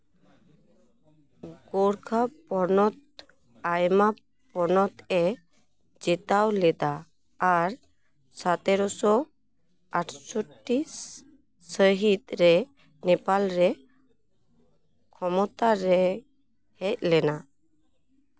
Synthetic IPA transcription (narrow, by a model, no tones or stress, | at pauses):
ɡ̥oɽkʰapɔnɔt̪̚ | ajma | pɔnɔt̪ɛ | d͡ʒɛt̪awlɛd̪aː | ɾ | sat̪ɛɾɔsɔ | aʈʰsɔʈːi | səɦit̪ɾɛ | nɛpalɾɛ | kʰɔmɔt̪aɾɛ | hɛc̪̚lɛna